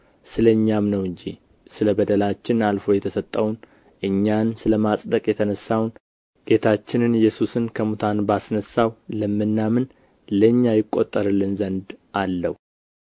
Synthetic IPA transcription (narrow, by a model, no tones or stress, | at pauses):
sɨləɨɲːamnəwɨɲd͡ʒḭ | sɨləbəd̪əlat͡ʃːɪnalfo̞jɛt̪ʰəsət̪ʼːəwn | ʔɨɲːansɨləmasʼd̪əkʼjɛt̪ʰənəsːawn | ɡ̥e̞t̪ʰat͡ʃːɪnɨnɨjːɛsusɨnkʰəmut̪ʰanbasnəsːawləmːɨnːamɨn | ləɲːajɪkʼːo̞t̪ʼːəɾɨlːɨnzənd̪ʔalːəwu